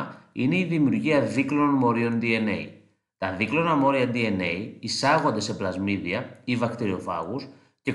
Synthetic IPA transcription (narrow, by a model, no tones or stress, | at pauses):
ḭne̞iðimiuɾʝiɐðikloonmo̞ɾio̞nd̪iene̞̰i | t̪ɐðiklo̞nɐmo̞ɾiɐd̪ie̞ne̞iisɐɣo̞nd̪e̞se̞plɐzmiðiɐivɐkt̪iɾio̞fɐ̰ɣus | ce̞